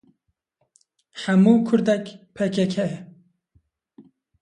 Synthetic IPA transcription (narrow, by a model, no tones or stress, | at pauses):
ħamuːkʰʊɾd̪ɛkpʰɛkɛkʰhɛɛ